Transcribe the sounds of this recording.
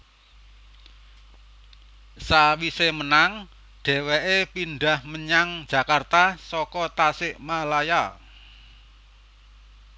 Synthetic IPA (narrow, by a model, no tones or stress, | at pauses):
sawisemənaŋ | ɖ̥e̤weʔepinɖahməɲaŋd̥d͡ʒ̥ä̤kart̪asɔkɔt̪asɪʔmalaja